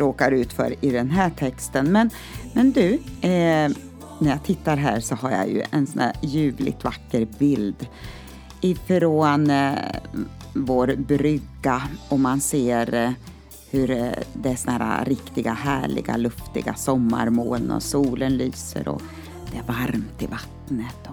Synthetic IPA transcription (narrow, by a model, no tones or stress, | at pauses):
ɾoːkaɾʉ̟ːt̪fœ̰ːɾɪd̪ɛnɦæːʈʰɛkst̪ənmɛn | mɛnd̪ʉ | næɾjat̪ʰɪt̪ːaɾɦæːɾsɔhaɾja̰jɵ̰ʔɛnsɔnæjʉ̟ːvlɪ̰ɡ̚t̪vakːəɾbɪld̪ | ɪfɾoːn | voːɾbɾʏɡːaɔmːanseːɾ | hɵɾd̪ɛːsɔnhæːɾa̰ɾɪkt̪ɪɡahæːɭɪ̰ɡa̰lɵft̪ɪ̰ɡasɔmːa̰ɾmoːlənɔ̰suːlənlyːsə̰ɾɔ̰ | d̪̥ɛːɾvaɾmt̪ɪvat̪nət̪ɔ